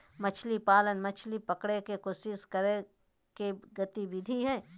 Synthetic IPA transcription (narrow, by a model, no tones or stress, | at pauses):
mɐt͡ʃʰlipaːlənmɐt͡ʃʰlipɐkɽekekosɪskəɾe | keɡɐt̪ibɪd̪ʱiɦɛː